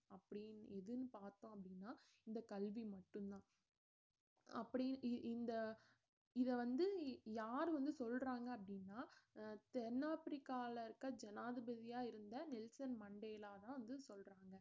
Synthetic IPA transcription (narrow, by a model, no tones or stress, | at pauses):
ɐpːɐɽɪnɛðɯnɯpaːɾt̪õːɐpːɐɽɪnːaː | ɪnd̪ɐkɐlʋimɐʈːɯnt̪ãː | ɐpːɐɽiɪnd̪ɐ | ɪðɐʋɐnd̪ɯjaːɾʋɐnd̪ɯsɔlɾaːŋɡɐːpːɐɽɪnːaːt̪ɛɾnaːpɾɪkːaːlɐɪɾɯkːɐd͡ʒɛnaːðɯbɐðɪjaːɪɾɯnd̪ɐnɪlsɐnmɐɳɖeːlaːt̪ãːʋɐnd̪ɯsɔlɾaːŋɡɐ